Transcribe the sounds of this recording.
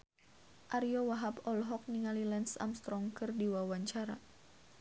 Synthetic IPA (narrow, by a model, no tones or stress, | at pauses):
ʔaɾiɔwaɦapɔlɦɔk̚niŋalilɛnsa̰mst̪ɾɔŋkɨrdiwawaɲt͡ʃaɾa̰